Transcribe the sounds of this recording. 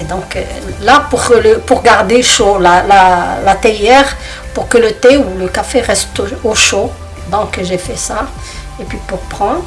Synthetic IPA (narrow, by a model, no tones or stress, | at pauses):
ed̪ɔ̃klapuʁləpuʁɡaʁd̪eʃolalalat̪ɛjɛʁ | puʁkələt̪euləkafeʁɛst̪oʃo | d̪ɔ̃kʒefɛsa | epɥipuʁpχɑ̃